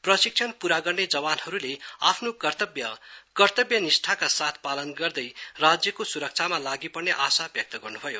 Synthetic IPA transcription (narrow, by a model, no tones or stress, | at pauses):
prʌsik̚t͡sʰʌnpuɾaɡʌrned͡zʌbanhʌɾulea̰pʰnok̪bjʌkʌrt̪ʌbjʌnisʈʰakasat̪ʰpalʌnɡʌrd̪ʌjrad͡zjʌkosuɾʌk̚t͡sʰamalaɡipʌrneʔasabjʌk̚t̪ʌɡʌrnubʱʌjo